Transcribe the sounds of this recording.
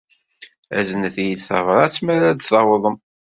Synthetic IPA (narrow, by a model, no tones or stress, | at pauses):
æznəθjit̪θə̰vɾˤɑt͡sːmæɾæd̪θɑwðˤəm